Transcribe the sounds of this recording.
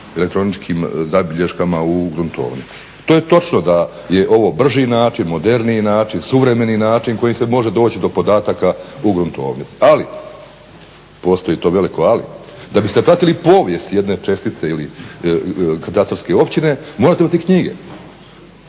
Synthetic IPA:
elek̚t̪ɾo̞nit͡ʃkʰiːmzabiʎe̞ʃkamauɡɾunt̪ʰo̞̰ːʋnḭt̪si̥t̪oje̞t̪o̞t͡ʃnod̪a | je̞ʔo̞ʋo̞br̩ʒinaːt͡ʃinmo̞d̪e̞ɾninaːt͡ʃinsuʋɾe̞me̞ninaːt͡ʃinko̞jimse̞mo̞ʒe̞d̪o̞ːt͡ɕid̪o̞po̞d̪aːt̪akauɡɾunt̪o̞̰ːʋnit̪si̥ali | po̞ːst̪oit̪o̞ːʋe̞liko̞alḭd̪abist̪e̞pɾat̪ilipo̞ːʋje̞st̪jed̪ne̞t͡ʃe̞st̪it̪se̞ili | kat̪ast̪orske̞o̞pt͡ɕine̞moɾat̪eimat̪ikɲiɡe̞̰

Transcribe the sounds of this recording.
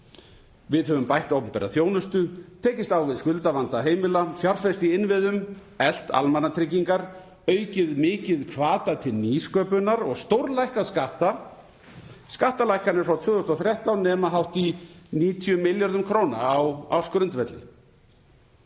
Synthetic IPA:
vɪðhœvʏmpajht̪owpʏmpɛːɾa̰θjoːwnʏst̪ʏt̪ʰeːjcɪst̪aːwvɪðskʏlt̪avant̪aɦeːjmɪlafjar̥fɛst̪iɪnvɪðʏm | ɛl̥t̪a̰lmanːat̪ʰɾɪcːiŋkaɾ | œːɥcɪðmɪːcɪðkʰvaːt̪at̪ʰɪlniːskœːpʏnaɾɔɣst̪owɾlajhkaðskaht̪a | skaht̪alajhkanɛɾfɾawt̪ʰvʏːðost̪ɔθɾjɛht̪awnɛːmaɦawht̪iniːt̪ʰijʏmɪljaɾðʏmkʰɾownawawskɾʏnt̪vɛt̪lɪ̰

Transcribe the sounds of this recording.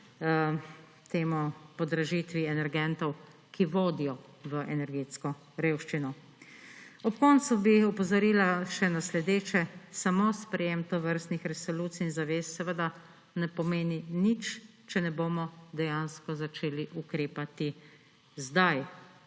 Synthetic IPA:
t̪eːmupɔd̪ɾaʒit̪ʋiɛnɛɾɡɛnt̪ɔw | kiʋoːd̪ijɔ | ʋəʔɛnɛɾɡeːt̪skɔ | ɾeːwʃt͡ʃinɔ | ɔpkɔːnt̪subiɔpɔzaɾiːlaʃɛnaslɛd̪eːt͡ʃɛsamospɾɛjemt̪oʋəɾst̪nixɾɛsɔluːt̪siːnzaʋeːsːɛʋəd̪a | nɛpɔmeːninit͡ʃ | t͡ʃɛnɛboːmɔd̪ɛjanskɔzat͡ʃeːliʔukɾeːpat̪i | zd̪aj

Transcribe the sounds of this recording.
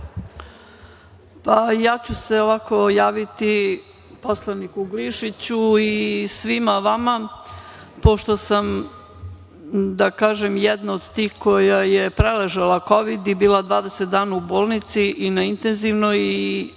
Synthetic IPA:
pajaːt͡ɕuseoʋako̞jaːʋit̪i | poslˠanikuɡliʃit͡ɕuisʋimaʋama | po̞ʃt̪o̞sam | d̪akaːʒemjɛd̪naod̪t̪iːxko̞jajepɾeleʒelˠako̞ʋid̪ibiːlˠad̪ʋaːd̪eset̪̚d̪aːnauboːlˠnit̪siʔinaint̪enziʋnoji

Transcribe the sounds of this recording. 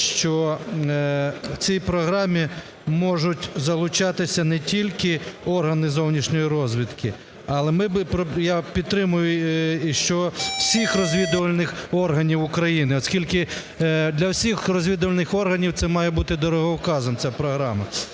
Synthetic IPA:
ʃt͡ʃɔ | wt͡sʲijpɾɔɦɾɑmʲi | mɔʒʊtʲzɐlˠʊt͡ʃɑt̪ɪsʲɐnɛtʲilʲkɪɔrɦɐnɪzɔwnʲiʃnʲɔjiɾɔzʲʋʲid̪kɪ | ɐlˠɛmɪbpɾɔjapʲidt̪ːɾɪmʊjʊiʃt͡ʃɔwsʲixrɔzʲʋʲid̪ʊʋɐlʲnɪxɔrɦɐnʲiwʊkɾɐjinɪɔskʲilʲkɪ | d̪lʲɐwsʲixrɔzʲʋʲid̪ʊʋɐlʲnɪxɔrɦɐnʲiwt̪ɛmɑjɛbut̪ɪd̪ɔɾɔɦɔwkɑzɔmt͡sʲapɾɔɦɾɑmɐ

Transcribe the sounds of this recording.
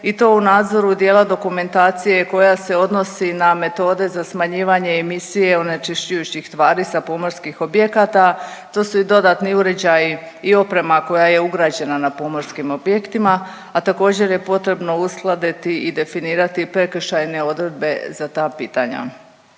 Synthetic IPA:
it̪o̞unaːd̪zo̞ɾud̪je̞ːlad̪o̞kume̞nt̪aːt̪sije̞ko̞jase̞o̞d̪no̞siname̞t̪o̞ːd̪e̞zasmaɲiːʋaɲe̞ːmisije̞onet͡ʃiʃt͡ɕujut͡ɕixst̪ʋaːɾisapo̞mo̞ɾskixo̞bje̞kat̪at̪o̞ːsuid̪o̞d̪at̪niuɾed͡ʑaji | io̞pɾe̞mako̞jaje̞uɡɾaːd͡ʑe̞nanapo̞mo̞ɾskimo̞bjekt̪imaː | t̪ako̞ːd͡ʑe̞ɾje̞po̞t̪ɾe̞bno̞usklˠad̪it̪iid̪e̞finiːɾat̪ipɾe̞kʃajne̞o̞d̪ɾe̞d̪̚be̞zat̪aːpiːt̪aɲa̰

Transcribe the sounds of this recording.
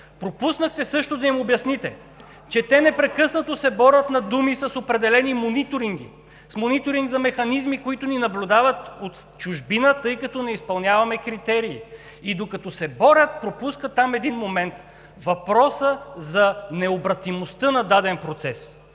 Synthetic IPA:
pɾopusnəxt̪ɛsɤʃt̪ʊd̪ɐimobjɐsnit̪ɛ | t͡ʃɛt̪ɛnɛpɾɛkɤsnɐt̪osɛbɔɾət̪nɐd̪umisɐsopɾɛd̪ɛlɛnimonit̪oɾiŋɡ̟ḭ | smonit̪oɾiŋɡzɐmɛxɐnizmikoit̪ʊninɐblʲud̪avɐt̪ot̪t͡ʃʊʒbinət̪ɤjkɐt̪ɔnɛispɐlˠnʲavɐmɛkɾit̪ɛɾiː | id̪okɐt̪ɔsɛbɔɾʲət̪̚pɾopuskət̪ːamɛd̪inmomɛnt̪ | vɐpɾɔsəzɐnɛobɾɐt̪imost̪ɤnɐd̪ad̪ɛnpɾot̪sɛs

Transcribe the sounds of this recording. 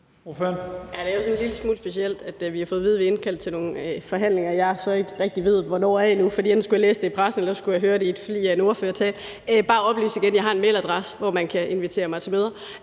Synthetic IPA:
ofønjæd̥e̝æjo̝sɒ̽nnliləsmud̥sb̥e̝siel̰d̥æd̥ʋihɑ̈fɔ̽ːð̞̩ˠiːð̞̩ˠʋee̝nkʰæl̰d̥t͡sʰe̝lno̝ːŋfɒ̽ɦæn̰le̝ŋɐjɑ̈ɪsɒ̽e̝ɡ̥ʁɛɡ̥̚d̥iʋe̝ð̞̰ˠʋɒnɒ̰ːæenufɒdḭːen̥n̩sɡ̥ujɑ̈lḛːsd̥e̝ipʰʁasn̩elɐsɒ̽sɡ̥ujɑ̈ɦøːɐɾe̝id̥fɒd̥ḭːjɑeno̝ːɐføːɐt͡sʰɛ̰ːd̥ | b̥ɑ̈ːɒ̽b̥ly̰ːsiɡ̥enjɑɦɑ̈e̝nmḛɪlæd̥ʁasə̥ʋɒmænkʰæe̝nʋit͡sʰe̝̰ːɐmɑ̈ɪt͡sʰe̝møːðˠɐ

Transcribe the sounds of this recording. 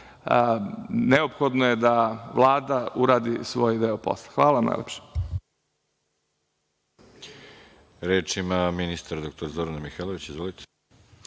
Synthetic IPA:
əneopxod̪nojed̪aʋlˠaːd̪auɾaːd̪isʋo̞ːjd̪eopo̰slˠḁxʋaːlaʋamna̰jlepʃe̥ | ɾeːt͡ʃimaminist̪aɾad̪ok̚t̪oɾazoɾanamixelˠoʋit͡ɕizʋolit̪ʰe̥

